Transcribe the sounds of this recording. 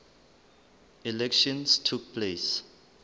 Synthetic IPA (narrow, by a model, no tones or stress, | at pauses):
ilɛkʃɔ̃nstʰuk̚pʰles